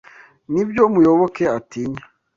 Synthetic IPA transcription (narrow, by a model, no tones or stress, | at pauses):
nibjomujoβokeatiɲa